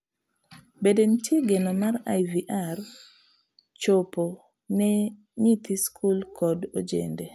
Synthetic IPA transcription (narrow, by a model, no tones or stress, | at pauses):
bedentjeɡɛnɔmaɾa̰jviʔar | t͡ʃopo | nɛ | ɲit̪iskʰulkʰɔdo̰d͡ʒḛnde